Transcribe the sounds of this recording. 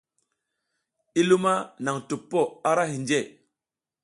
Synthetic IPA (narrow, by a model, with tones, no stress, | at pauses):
i˦lu˦ma˦na˨ŋtu˨pːo˦a˦ɾa˦ɦi˨nd͡ʒe˦˨